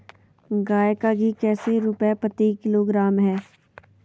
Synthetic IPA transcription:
ɡaːekaɡʱikɛːseɾʊpapət̪ikɪloːɡɾaːmɦɛː

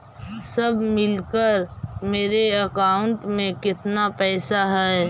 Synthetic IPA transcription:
sɐbʱmɪlkəɾmeːɾeɐkaːʊɳʈmẽkɪt̪napɛːsaɦɛː

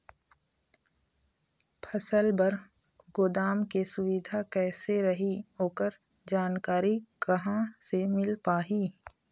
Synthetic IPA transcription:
pʰɐsəlbɐɾ | ɡʊd̪aːmkesʊʋɪd̪ʱakɛːseɾɐɦiɦoːkəɾ | d͡ʒaːnkaːɾiɡɐɦãsemɪlpaːɦiː

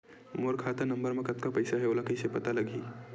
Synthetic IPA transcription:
moɾkʰat̪əɾnəmbəɾmekət̪kapəɪsaɦeolakəjsepət̪aləɡʱi

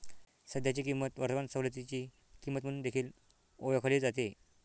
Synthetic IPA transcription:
səd̪ʱjat͡ɕikimːət̪ʋəɾt̪əʋansəɦlət̪̬it͡ɕi | kimːət̪m̤əɽuːnd̪ekʰiːl | ojəkʰəliːd͡zat̪e

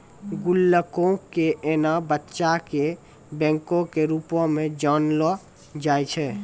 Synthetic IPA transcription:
ɡulːəkõkeʔenabətːʃake | bɛ̃ŋkõkeɾupõmẽd͡ʒɔnlɔ | d͡ʒajt͡ʃʰɛ

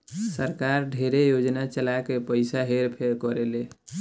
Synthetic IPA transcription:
səɾkaɾɖʱeɾejod͡ʒnat͡ʃəlakepəɪsaɦeɾpʰeɾkɔɾele

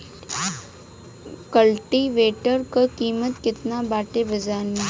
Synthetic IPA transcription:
kəlʈiʋeːʈəɾkəkiːmət̪kɪt̪nabaːʈebɐd͡ʒaːnmẽ

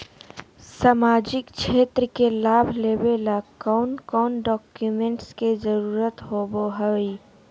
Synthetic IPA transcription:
samaːd͡ʒɪkt͡ʃʰeːt̪ɾəkelaːbʱleːbelakɔʊnkɔːnɖɔːkjumẽɳʈskezəɾuːɾət̪ɦoːboɦəi

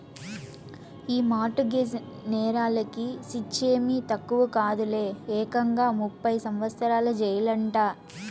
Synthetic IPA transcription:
iːmaːʈuɡed͡ʒ | nɛːɾaːlɐkisit͡ʃːeːmit̪ɐkːuʋɐkaːd̪ule̞ːɛːkɐŋɡaːmupːɐjsɐmʋɐst̪ɐɾaːlɐd͡ʒɛjɐlɐɳʈaː

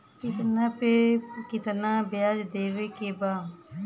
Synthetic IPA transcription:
kɪt̪naːpeːkɪt̪naːbɪjaːd͡ʒd̪eːʋeːkeːbaː

